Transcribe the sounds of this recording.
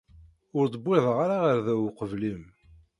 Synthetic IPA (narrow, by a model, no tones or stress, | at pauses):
ʊɾd̪ˤəbːɪðˤəʁaɾaʁəɾðæwqəvlim